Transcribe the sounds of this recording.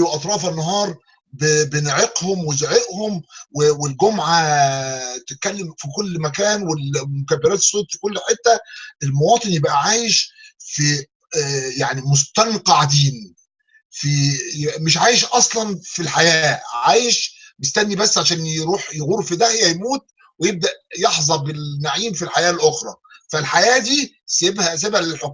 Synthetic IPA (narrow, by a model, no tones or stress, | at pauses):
wʔɑt̪ˤɾˤɑːfænːɑɦɑːɾˤ | bebenʕeqhomwezoʕeʔhomwewelɡomʕa | t̪et̪̚kælːemfikolːmækæːnwelmokæbːeɾæːt̪e̥sˤːoːt̪ˤfi̥kolːħet̪ːæʔelmowɑːt̪ˤɨnjebʔæʕaːjeʃfi | jaʕnimost̪ænqɑʕad̪iːn | fijebʔæmeʃʕaːjeʃʔɑsˤlɑnfilħajæːʕaːjeʃmest̪ænːibæsːʕaʃæːnjeɾuːħjeɣuːɾfid̪æhjæjmuːt̪̚ | wejeb̚d̪æʔjeħzˤɑbelnːaʕiːmfilħajæːlʔoxɾˤɑ̰ːfælħajæːd̪iː | sæebhæs̬ebhælelħokː